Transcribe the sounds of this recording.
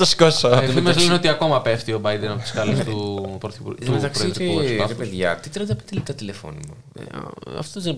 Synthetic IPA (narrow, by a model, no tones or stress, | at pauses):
t̪ɐskosofimɐzleneo̞t̪iɐko̞mɐpeft̪iobɐjd̪enɐot̪i̥skɐlest̪upɾoθipṵɾmet̪ɐksɾiɾieɾipeðʝɐ̰t̪it̪eɾɐt̪ɐpit̪elit̪ɐt̪ilefo̰nimo̰ɐ̰ft̪ooðe